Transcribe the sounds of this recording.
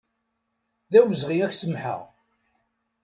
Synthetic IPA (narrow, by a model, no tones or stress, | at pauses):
ðæwəzʁiæçsəmħə̰ʁ